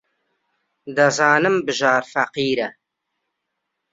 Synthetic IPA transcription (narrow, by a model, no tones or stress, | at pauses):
d̪ɐzɑːnɨmbɨʒɑːɾfɐqiːɾɐ